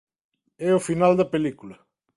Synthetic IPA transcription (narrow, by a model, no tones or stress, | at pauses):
ɛofinald̪ɐpelikulɐ